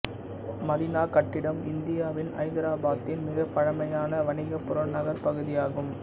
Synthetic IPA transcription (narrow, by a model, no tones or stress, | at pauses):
mɐðɪnaːkɐʈːɪɽɐmɪnd̪ɪjaːʋɪnɐ̰ɪnd̪ɪɾaːbaːt̪ːɪnmɪɣɐpːɐɻɐmɐjaːnɐʋɐnɪɣɐpːʊɾɐɳnɐɣɐɾpɐɣɯðɪjaːɣɯm